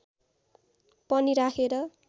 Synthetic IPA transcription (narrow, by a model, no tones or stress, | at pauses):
pʌniɾakʰeɾʌ